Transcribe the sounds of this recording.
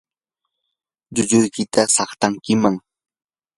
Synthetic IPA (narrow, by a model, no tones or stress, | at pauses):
ʎʊʎʊjkɪt̪asɑχt̪aŋkɪmaŋ